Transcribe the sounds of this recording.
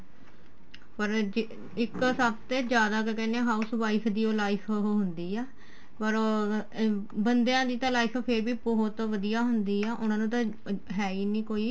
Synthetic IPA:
pəɾd͡ʒ | ɪksəb̚t̪eːd͡ʒjaːd̪aːkkɛːneãːɦaːusʋaːikʰd̪iːoːlaːikʰːɦʊnd̪iːɛː | pəɾ | bənd̪ejãːd̪iːt̪ãːlaːikʰpʰeɾbiːbɔɦʊt̪ʋəd̪ijaːɦʊnd̪iːɛːʔʊnãːnũːt̪ãː | ɦɛːiːnĩːkoːiː

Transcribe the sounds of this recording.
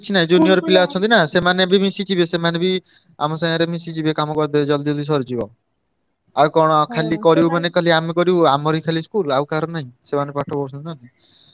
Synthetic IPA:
t͡ʃʰinaɦĩd͡ʒunijɔɾpilaɔt͡ʃʰɔnt̪inasemanebimisit͡ʃibesemanebi | a̰mɔsãŋaɾemisit͡ʃibekamɔkɔɾd̪ɔd͡ʒɔld̪ɔld̪is̬ɔɾd͡ʒibɔ̰ | awkɔɽ̃ɔkʰalikɔɾimanekɔliamikɔɾiuamɔɾikʰaliskulawkaɾɔnaɦĩsemanepaʈʰɔbɔɾsʰɔnt̪inanã

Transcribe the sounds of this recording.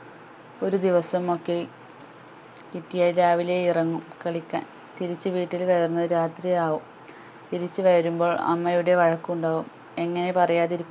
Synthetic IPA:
o̞ɾud̪iʋɐsɐmo̞kːe̞ | kiʈːijaːɾaːʋile̞irɐŋːumkɐɭikʲːa̰ːn | t̪iɾit͡ɕːɨʋiːʈːilkɐjɐrunːɐðɨɾaːt̪rijaːʋum | t̪iɾit͡ɕːɨʋɐɾɐɾumbo̞ːɭɐ̰mːɐjuɽe̞ʋɐɻɐkːuɳɖaːʋum | e̞ŋːɐne̞pɐrɐjaːt̪iɾikʲːu

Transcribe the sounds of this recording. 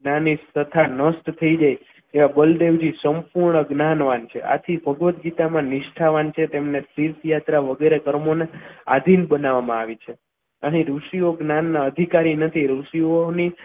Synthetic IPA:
ɡnaniət̪ʰanəsʈt̪ʰəid͡ʒaj | eʋabəld̪eʋd͡ʒisəmpuɾɳəɡnanʋant͡ʃʰḛʔa̰t̪ʰibʱəɡʋət̪̚ɡit̪amãniʃʈʰaʋant͡ʃʰet̪emnesiɾt̪jat̪ɾaʋəɡeɾekəɾmonea̰d̪ʱinbənaʋamãaʋit͡ʃʰe | əniɾuʃioɡnanːaəd̪ʱikaɾinət̪ʰiɾuʃioni

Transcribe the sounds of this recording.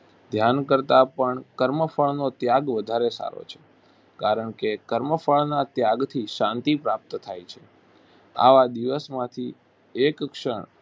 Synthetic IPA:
d̪ʱjankəɾt̪apəɳkəɾməfəɭnot̪jaɡʋəd̪ʱaɾesa̰ɾo̰t͡ʃʰe̥ | kaɾəɳkekəɾməfəɭnat̪jaɡt̪ʰiʃãnt̪ipɾap̚t̪t̪ʰajt͡ʃʰe̥ | a̰ʋad̪iʋəsmãt̪ʰi | ekkʃə̰ɳ

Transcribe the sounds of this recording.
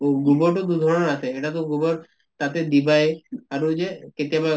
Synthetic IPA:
ɡubɔɾʈod̪ud̪ʱɔɾɔɳaseeʈat̪̬oɡubɔɾ | t̪at̪ed̪ibaeaɾud͡ʒeket̪ijaba

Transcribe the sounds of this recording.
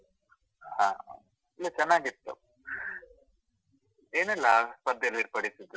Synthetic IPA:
hãː | ilːɐt͡ʃɐnːaːɡit̪ːṵ | eːnɛlːɐpɐd̪jɐliɾpɐɽisid̪ːu

